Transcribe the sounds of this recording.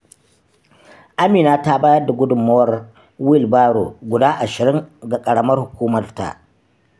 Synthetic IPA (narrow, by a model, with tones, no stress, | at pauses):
ʔa˦miː˨naː˦ta˦baː˦jɐ˦rda˨ɡʷʊ˦dʊ˨mːɐ˦wɐ˦r | wɪ˦lbaː˦ɽo˨ɡʷʊ˨daː˦ʔa˨ʃɪ˨ɾɪ˦ŋɡa˨kʼɐ˨ɽɐ˦mɐ˦rhʊ˨kʷuː˦mɐ˨rta̰˨ʔ